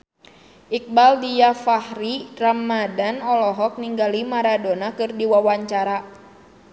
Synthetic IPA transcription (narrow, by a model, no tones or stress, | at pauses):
ʔik̚baldijafahɾiramːadanɔlɔɦɔk̚niŋɡalimaɾadonakɨrdiwawaɲt͡ʃaɾa